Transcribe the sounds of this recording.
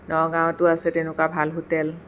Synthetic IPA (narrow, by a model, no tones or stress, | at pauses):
nɔɡãwtʊasɛtɛnʊkabʱalɦutɛl